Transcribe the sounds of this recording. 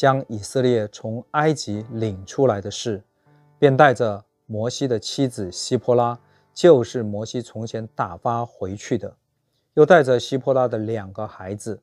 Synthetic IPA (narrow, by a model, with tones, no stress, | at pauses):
t͡ɕjɑ˥ŋi˨˩sɤ˥˧ljɛ˥˩t͡sʰʊ˧˥ŋa˥ɪt͡ɕi˧˥li˨˩ŋʈ͡ʂʰu˥la˧˥ɪd̪ə˧ʂɻ̩˥˩ | pjɛ˥˧nt̪a˥˩ɪʈ͡ʂə˩ | mwɔ˧˥ɕi˥d̪ə˨t͡ɕʰi˥d͡zɹ̩˨˩ɕi˥pʰɔ˥la˥ | t͡ɕjo˥˧ʊʂɻ̩˥˩mwɔ˧˥ɕi˥t͡sʰʊ˧˥ŋt͡ɕʰjɛ˧˥nt̪a˨˩fa˥xwe˧˥ɪt͡ɕʰy˥˩d̪ə˩ | jo˥˧ʊt̪a˥˩ɪʈ͡ʂə˩ɕi˥pʰwɔ˥la˥d̪ə˨ljɑ˨˩ŋɡə˦xa˧˥ɪd͡zɹ̩˧